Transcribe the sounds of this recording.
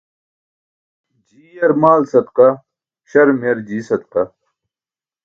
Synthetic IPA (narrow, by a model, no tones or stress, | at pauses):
d͡ʑiːjɐɾmaːlsɐd̪qɐ | ɕɐɾmɐɾd͡ʑiːsɐd̪qɐ